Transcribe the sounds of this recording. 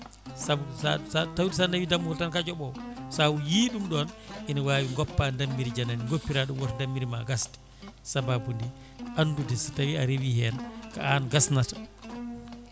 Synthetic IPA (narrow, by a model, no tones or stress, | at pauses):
sauaatawdisandawidamːuhɔltankad͡ʒɔɓɔsawujiɗumɗɔnʔinawawiŋɡɔpːandamːiɾid͡ʒananiŋɡopːiɾaɗumwɔtndamːiɾima̰ɡasti̥ | sababundi | ʔanːdudɛsitawiaɾewihɛnka̰anɡasnatḁ